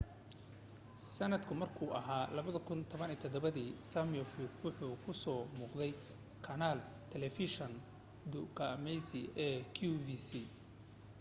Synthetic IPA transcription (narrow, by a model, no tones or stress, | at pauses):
sɐnɐd̪kʰʊmɐrkʰuːʔɐɦaːlɐβɐðɐkʰʊnt̪ʰɔβɐniːt̪ʰɔd̪ɔβɐðiːsamjɔfɪkwʊħuːkʰʊsɔːmuːqðɛj | kʰɐnaːl | t̪ʰɛlɛfiʃɔn | d̪ʊkʰamɛjsiʔɛːkʰuviːsi